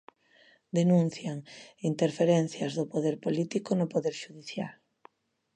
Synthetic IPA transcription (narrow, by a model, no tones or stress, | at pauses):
d̪enũn̟θjaŋint̪eɾfeɾenθjɐzðʊpoðeɾpolit̪ikonʊpoðeɾʃuðiθja̰l